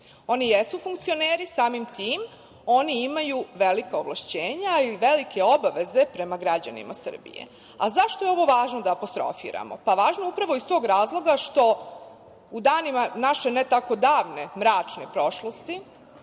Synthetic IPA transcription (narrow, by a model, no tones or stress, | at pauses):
o̞nijesufuŋkt̪sio̞neːɾisaːmimt̪iːm | o̞niimajuʋe̞likaoʋlˠaʃt͡ɕeːɲaiʋe̞likʰe̞o̞baʋe̞ze̞pɾe̞maɡɾad͡ʑa̰nḭma̰sɨ̰r̩bḭjḛ | a̰zaʃt̪ojeo̞ʋo̞ʋaːʒnod̪aːpo̞st̪ɾo̞̰fḭːɾa̰mo̞̰paʋaːʒnoupɾaʋo̞ist̪oːɡɾaːzlˠo̞ɡaʃt̪o̞ | ud̪aːnimanaʃe̞net̪ako̞d̪aːʋne̞mɾaːt͡ʂnepɾo̞ʃlost̪i